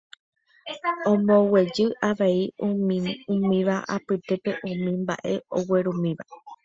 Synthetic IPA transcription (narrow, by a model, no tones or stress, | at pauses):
õmõwe̞d͡ʒɨʔaʋeiuũmĩʋaʔapɨt̪e̞pe̞ʔũmĩmba̰ʔe̞o̞we̞ɾũmĩʋa